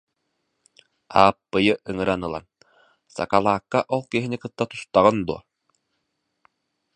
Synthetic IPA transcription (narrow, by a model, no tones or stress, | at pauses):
a̰ːpːɯjɯʔɯŋɯɾanɯlˠa̰n | sa̰kalˠaːkːaʔɔlˠkiɦinikɯt̪ːat̪u̥st̪aʁɯnd̪uɔ